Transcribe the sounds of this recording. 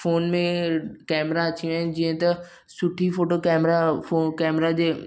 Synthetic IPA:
foːnmẽkɛːmɾat͡ʃʰĩd͡ʒɪə̃t̪ɐ | sʊʈʰːifoːʈokɛːmɾafoːkɛːmɾad͡ʑeː

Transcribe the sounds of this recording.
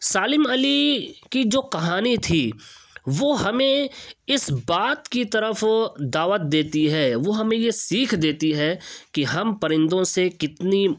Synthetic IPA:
saːlɪmɐlikid͡ʒoːkɐɦaːnit̪ʰiːʋoːɦɐmẽɪsbaːt̪kit̪ɐɾəfd̪aːʋət̪̚d̪eːt̪iɦɛːʋoɦɐmẽjesiːkʰd̪eːt̪iɦɛkiɦɐmpɐɾɪ̃nd̪õsekɪt̪ni

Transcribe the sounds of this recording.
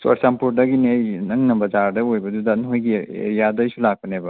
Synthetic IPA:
swɐ̰ɾsampuɾdɐɡiniɐjnɐŋnɐbɐd͡ʒaɾdɐojbɐdudɐnɦojɡiḛɾijadɐjsulak̚pɐnebɐ

